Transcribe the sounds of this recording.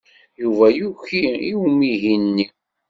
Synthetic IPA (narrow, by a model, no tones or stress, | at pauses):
juvæjuçiiwmiɦinnːi